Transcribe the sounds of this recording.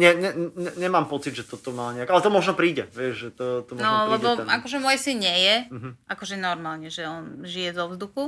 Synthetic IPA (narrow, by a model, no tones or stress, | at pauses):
ɲɛɲɛɛɲɛɲɛmaːmpɔt͡sid̪ʒɛt̪ɔt̪ɔmaːɲɛakʔalɛt̪ɔmɔʒnɔpɾiːɟɛʋɪɛʒʒɛt̪ɔt̪ɔmnɔlɛbɔakɔʒɛmɔjsinɲɪɛjɛm̩ɦ̩ʔakɔʒɛnɔɾmaːlɲɛʒɛɔnʒijɛzɔvzd̪uxu